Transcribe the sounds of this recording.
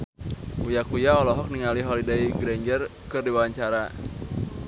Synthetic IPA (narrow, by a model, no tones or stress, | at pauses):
ujakujaɔlɔɦɔk̚niŋaliɦɔlidaiɡɾeɲd͡ʒərkɨrdiwaaɲt͡ʃaɾa